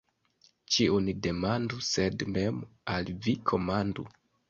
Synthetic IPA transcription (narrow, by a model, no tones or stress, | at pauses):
t͡ʃiunide̞manduse̞dme̞malvikʰo̞mandu